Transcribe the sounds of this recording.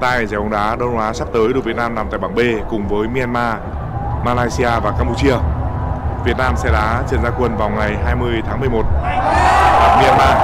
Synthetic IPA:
t̪aː˧˩˨zɛ˧˩wə˧˩ɗaː˨˦ɗə˧wʔwaː˨˦sa˦˥p̚t̪əː˨˦jɗɨ˨˩vət̚naː˧mnaː˨˩t̪aː˧˨ɓaː˧˩ɓe˧kʊ˨˩ŋ͡mvəː˨˦jmi˧ʔɛ˧nmaː˧ | maː˧laː˧jsi˧aː˧vaː˨˩kaː˧pu˧˩t͡ɕi˧ə | vi˨˩ət̚naː˧msɛ˧˥ɗaː˨˦t͡ɕi˨˩ənzaː˧kwə˧˩nvaː˨˩wŋa˨˩jɦaː˧jmɨ˧əjt̪ʰaː˨˦ŋmɨ˨˩əjmo˨˩t̚ | aː˨˩mi˧ʔɛ˧nmaː˧

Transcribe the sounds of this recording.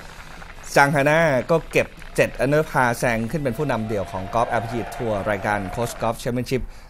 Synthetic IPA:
t͡ɕaː˧ŋɦaː˧naː˥˩kɔː˥˩ke˨˩p̚t͡ɕe˨˩t̪̚ʔa˧nɯː˦˥pʰaː˧sɛː˧ŋkʰɯ˥˩npe˧npʰuː˥˩na˧mdi˧˩əwkʰɔː˩˦ŋkɔː˦˥p̚ʔɛ˦˥p̚ʰt͡ɕiː˧˩t̪ʰːuː˧ɐɾaː˧jkaː˧nkʰoː˦˥skɔː˦˥p̚t͡ɕʰɛː˧˦˥mi˥˩nt͡ɕʰi˦˥p̚

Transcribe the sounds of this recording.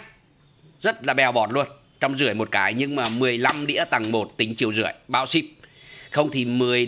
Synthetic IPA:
zə˦˥t̚laː˨˩ɓɛ˨˩wɓɔ˨˩t̚lu˧ən | t͡ɕɔ˧wŋ͡mzɨ˧əjmo˨˩t̚kaː˨˦jɲɨ˧ŋmaː˨˩mɨ˨˩əjla˧mɗḭ˧˥t̪a˨˩ŋmo˨˩t̚t̪ï˨˦ŋ̟t͡ɕi˨˩əwzɨ̰˧˩əjɓa̰ː˧˥wsi˦˥p̚xə˧wŋ͡mt̪ʰi˨˩mɨ˨˩əj

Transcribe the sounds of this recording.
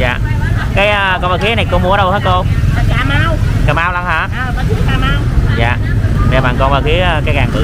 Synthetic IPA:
za̰ː˨˩kaː˨˦jʔəː˧kɔ˧nvaː˧˩kxi˨˦ə˦na˨˩jko˧mu˨˦əɗə˧whəː˦˥jko˧˨˦kaː˨maː˧wkaː˨˩maː˧wla˧ŋhaː˧˩˧ə˧˦i˨˦kaː˨˧˩maː˧wza̰ː˨˩ | ve˨˩ɓaː˨˩nkɔ˧nvaː˧˩xi˨˦əəː˧kaː˨˦jkaː˨˩ŋʔ̪ɨ̰˨

